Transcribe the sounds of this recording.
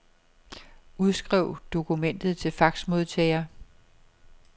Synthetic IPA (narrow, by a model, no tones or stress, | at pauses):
uð̞ˠsɡ̥ʁɛʊ̰d̥o̝kʰumen̰d̥ð̩ˠt͡sʰe̝lfɑ̈ɡ̥smo̝ð̞ˠt͡sʰɛ̰ɪɐ